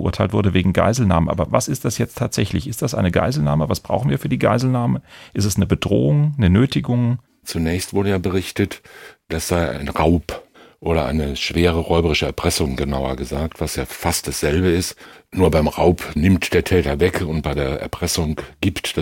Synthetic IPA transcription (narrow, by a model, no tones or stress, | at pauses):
ʔṵːɐtʰaɪltvʊɐdəveːɡŋ̩ɡa̰ɪzl̩naːmənʔa̰ːbɐvasɪstd̥asjɛt͡stʰaːtz̥ɛçlɪçɪstd̥asʔa̰ɪnəɡa̰ɪzl̩na̰ːməvasb̥ʁa̰ʊxn̩viːɐfyːɐdiːɡa̰ɪzl̩naːməʔɪstɛsnəbədʁo̰ːʊŋnənøːtɪɡʊŋ | t͡sunɛːçstv̥ʊɐɾəjaːbəʁ̞ɪçtətd̥asz̥aɪa̰ɪnʁaʊpʔoːɾɐ̰ʔa̰ɪnəʃv̥eːʁəʁɔʏbəʁɪʃəɛɐpʁ̥ɛsʊŋɡənaʊɐ̰ɡəzaːk̚tv̥asjaːfast̚d̥asz̥ɛlbəɪstnuːɐbaɪmʁaʊpnɪmtd̥eːɐtʰɛːtɐvɛkʰʊnt̚b̥aɪdeːɐʔɛ̰ɐpʁ̥ɛsʊŋɡ̥iːptd̥